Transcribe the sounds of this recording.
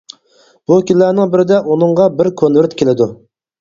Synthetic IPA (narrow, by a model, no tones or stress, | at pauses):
b̥ukʲillænɪŋbɪɾɪd̪ɛʔunɨŋʁɑbɪɾkʲʰonvɪɾt̪kʲʰelɪd̪u